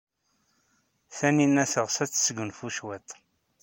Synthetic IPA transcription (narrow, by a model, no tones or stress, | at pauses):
θæninːæθəʁsæt͡sːsɡənfuʃwæt̪ˤ